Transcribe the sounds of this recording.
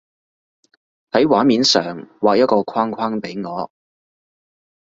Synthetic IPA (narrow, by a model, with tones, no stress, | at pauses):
hɐ˨˥jwaː˨˥nmiː˨˧nsœː˨ŋwaː˨k̚jɐ˥t̚kɔː˧kʰwaː˥ŋkʷʰaː˥ŋpe˨˥jŋɔː˨˧˦